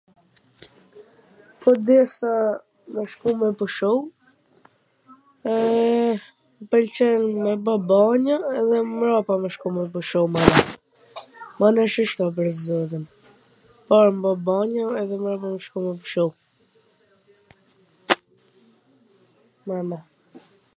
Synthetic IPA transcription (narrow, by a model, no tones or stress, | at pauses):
pʰɔd̪ɛst̪a | mɛʃkumɛpuʃɔw | ɛ | pɛlt͡ʃɛnmɛbabaɲaɛðɛmɾapaməʃkumɛpuʃɔwmanɛt̪ | manɛʃiʃt̪ap̬əɾzɔðin | paɾmbabaɲəɛðɛmɾapamɛʃkumɛpuʃɔw | mamɛ